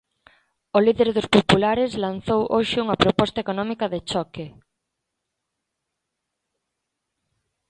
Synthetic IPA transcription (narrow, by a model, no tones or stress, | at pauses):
oliðeɾðospopulaɾezlan̟θowʔoʃɪuŋapɾopɔst̪aekonɔmikaðet͡ʃɔke